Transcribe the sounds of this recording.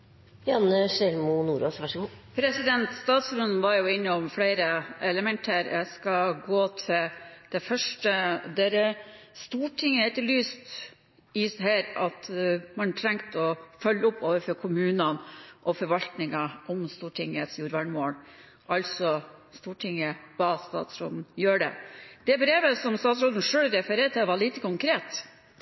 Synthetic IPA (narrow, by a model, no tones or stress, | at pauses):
jɑnəʃɛlmʊnuːɾosʋæʂɡuːpʰɾɛsɪd̪ɛnt̪st̪ɑːt̪sɾʉnʋɑɾjʊɪnːəɔmfleɪɾəɛləmɛnt̪ʰəɾjʔæ̰skɑɡoːt̪ʰɪld̪̥ɛfœʂʈəd̪eːɾəst̪uːʈʰɪŋːəhɛt̪əlyːst̪ | ɪsɦæːɾɑt̪mɑnt̪ʰɾɛŋt̪əɔfœlːəʊpːoːʋəfɾɔɾkʰʊmʉːnɑnʔɔfɔɾʋɑlt̪nɪŋɑʔɔmst̪uːʈʰɪŋət̪sjuːɾʋɑɳmoːl | ʔɑlsɔst̪uːʈʰɪŋəʋɑːst̪ɑ̰ːt̪sɾo̰ːd̪n̩jøːɖɛ̰d̪̥ɛbɾeːʋəsɔmst̪ɑːt̪sɾoːd̪n̩ʂøːlɾɛfəɾeːɾt̪ɪʋɑɭiːt̪əkʰʊŋkʰɾeːt̪